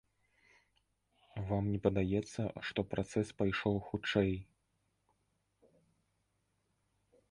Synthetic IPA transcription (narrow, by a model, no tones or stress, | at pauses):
vamnʲɛpɐd̪ajɛt̪sːɐʂt̪ɔpɾʔat̪sɛspajʂɔwxut͡ʂɛj